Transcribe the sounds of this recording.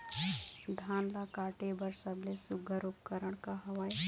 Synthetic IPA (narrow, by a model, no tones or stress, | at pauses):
d̪ʱaːnlakaːʈebəɾsəblesʊɡəɾupkəɾəɽ̃kaɦɐʋəj